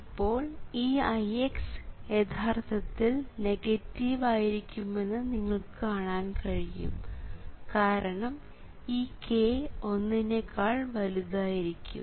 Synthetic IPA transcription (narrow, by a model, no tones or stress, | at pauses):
ipːo̞ːɭiːɐjeksjet̪ʰaːrt̪ʰɐt̪ːilneɡɐtːiʋaːjiɾikʲːume̞nːɨniŋːɐɭkɨkaːɳaːnkɐɻijṵmkaːɾɐɳɐm | iːkʰeo̞nːinekːaːɭʋɐliðaːjiɾikʲːṵm